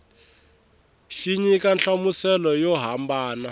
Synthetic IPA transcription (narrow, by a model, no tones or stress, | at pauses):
ʃiɲikanɬamusɛlɔjɔɦambaːna